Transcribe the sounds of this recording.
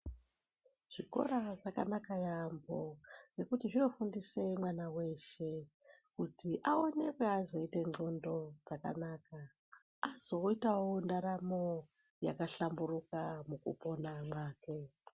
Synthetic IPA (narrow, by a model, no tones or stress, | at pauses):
ʐ̥iko̞̰ɾaʐaka̰nakajambod͡ze̞kutiʐino̞fundise̞mwanawe̞ʃe̞ | kutiʔao̞ne̞kweazo̞ite̞ŋ͡ǀondo̞d͡zaka̰naːka | azo̞itawondaɾamo̞ | ja̰kaɬamburukamukṵpo̞namwaːke̞